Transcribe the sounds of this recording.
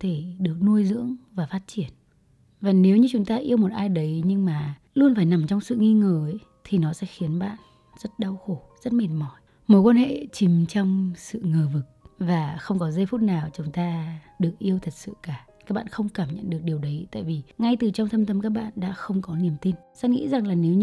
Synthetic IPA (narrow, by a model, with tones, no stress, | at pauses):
t̪ʰe˧˩ɗɨ˨˩ək̚nu˧əjzɨ̰˧˥əŋvaː˨˩faː˦˥t̚t͡ɕi˧˩ən | vaː˨˩ne˨˦wɲɨ˧t͡ɕʊ˨˦ŋ͡mt̪aː˧ʔi˧əwmo˨˩t̚ʔaː˧jɗə˨˦jɲɨ˧ŋmaː˨˩ | lu˧ənfaː˧˩jna˨˩mt͡ɕɔ˧wŋ͡msɨ̰˧˨ŋi˧ŋəː˨˩˨ | t̪ʰi˨˩nɔ˨˦sɛ̰˧˥xi˨˦ənɓa̰ː˧˨n | zə˦˥t̚ɗa˧wxo˧˩z̥ə˦˥t̚me˨˩n̚mɔ˧˩j | mo˨˦jkwaː˧nhḛ˧˨t͡ɕi˨˦mt͡ɕɔ˧wŋ͡msɨ̰˧˨ŋəː˨˩vɨ˨˩k̚vaː˨˩xə˧wŋ͡mkɔ˨˦zə˧jfu˦˥t̚naː˨˩wt͡ɕʊ˨˦ŋ͡mt̪aː˧ɗɨ˨˩ək̚ʔi˧əwt̪ʰə˨˩t̚sɨ̰˧˨kaː˧˩kaː˦˥k̚ɓa̰ː˧˨xə˧wŋ͡mkaː˧˩mɲə̰˧˨nɗɨ˨˩ək̚ɗi˨˩əwɗə˨˦jt̪a̰ː˧˨jvi˨˩ŋa˧jt̪ɨ˨˩t͡ɕɔ˧wŋ͡mt̪ʰə˧mt̪ə˧mkaː˦˥k̚ɓa̰ː˧˨nɗa̰ː˧˥xə˧wŋ͡mkɔ˨˦ni˨˩əmt̪i˧nsɛ˦˧˥ŋḭ˧˥za˨˩ŋlaː˨˩ne˨˦wɲ˧